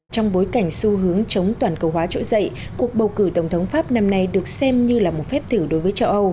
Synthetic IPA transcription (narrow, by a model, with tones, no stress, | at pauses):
t͡ɕɔ˧wŋ͡mɓo˨˦jka˧˩jŋ̟su˧ɦɨ˨˦əŋt͡ɕə˨˦wŋ͡mt̪waː˨˩nkə˧˩wɦwaː˨˦t͡ɕo̰˧˥zə̰˧˨jku˨˩ək̚ɓə˨˩wkɨ˧˩t̪ə˧˩wŋ͡mt̪ʰə˨˦wŋ͡mfaː˦˥p̚na˧mna˧jɗɨ˨˩ək̚sɛ˧mɲɨ˧laː˨˩mo˨˩t̚fɛ˦˥p̚t̪ʰɨː˧˩ɗo˨˦jvəː˨˦jt͡ɕə˧wʔə˧w